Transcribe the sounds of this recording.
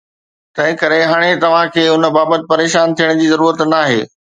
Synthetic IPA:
t̪ɐ̃ɦɪ̃kɐɾeɦaːɽ̃et̪ɐʋ̤ãkʰeːʊnə̆baːbət̪ɪ̆pɐɾeːʃaːnt̪ʰijəɽ̃d͡ʑiːzɐɾuːɾət̪naːɦḛː

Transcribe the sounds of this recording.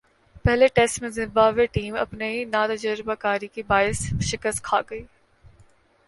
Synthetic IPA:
pɛɦleʈɛsʈmẽzɪ̃mbaːʋeʈiːmɐ̰pneinaːt̪ɐd͡ʒəɾbakaːɾikibaːɪsʃɪkəst̪̚kʰaːɡɐiː

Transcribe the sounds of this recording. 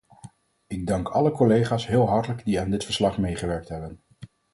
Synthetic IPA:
ɪɡ̚dɑŋkɑləkɔlejχaːsɦɪːlˠɦɑɹtələɡdiaːndɪtfəɹslɑχmejχəʋɛɹk̚tɦɛbən

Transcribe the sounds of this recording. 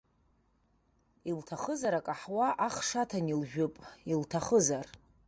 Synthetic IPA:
iltʰaχəzaɾakʼaħwaʔaχʂatʰanilʒᶣʊpʼiltʰaχəzar

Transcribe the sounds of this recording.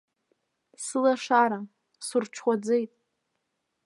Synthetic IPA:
sɨlaʂaɾa | surʈ͡ʂʰχʷad͡zejtʼ

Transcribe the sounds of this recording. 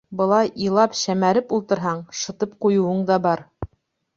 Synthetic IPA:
bɤ̆lˠɑjilˠɑpɕæmæɾɘpulˠt̪ɤ̆ɾɦɑɴʃɤ̆t̪ɤp̚qujŭwɤɴd̪ɑbɑɾ

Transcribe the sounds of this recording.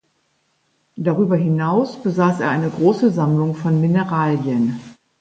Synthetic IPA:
d̥aʁyːbɐɦɪnaʊsb̥əzaːseːɐʔaɪnəɡʁoːsəzamlʊŋfɔnmɪnəʁaːljən

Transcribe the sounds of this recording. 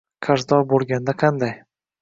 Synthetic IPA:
qʰaɾzd̪ɒbolˠɡʲand̪aqʰɑnd̪aj

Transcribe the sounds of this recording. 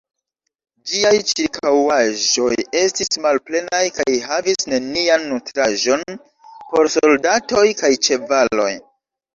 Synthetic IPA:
d͡ʒiajt͡ʃiɾkʰawaʒo̞je̞stismalple̞najkajɦavisne̞nianːutɾaʒo̞n | po̞ɾsoldato̞jkajt͡ʃe̞valo̞̰j

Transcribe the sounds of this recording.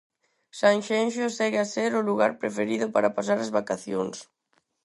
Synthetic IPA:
saŋʃɛnʃosɛɣeaseɾʊluɣa̰ɾpɾefeɾiðʊpaɾapas̬aɾazβakaθjo̰ŋs

